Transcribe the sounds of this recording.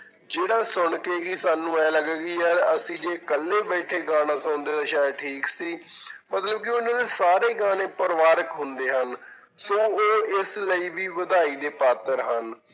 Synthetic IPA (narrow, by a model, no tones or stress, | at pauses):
d͡ʒeːɽaːsʊɳkeːkisaːnũːɛːləɡɡiːɛːɾəsĩːd͡ʒeːkəlːeːbɛːʈʰeːɡãːnãːsãːnd̪eːt̪aːʃaːeːʈʰiːksiːmət̪ləb̚kɪʊnãːd̪eːsaːɾeːɡaːɽ̃ẽːpəɾʋaːɾəkɦʊnd̪eːɦən | sõːoːɪsləiːʋiːʋəd̪aːiːd̪eːpaːt̪əɾɦən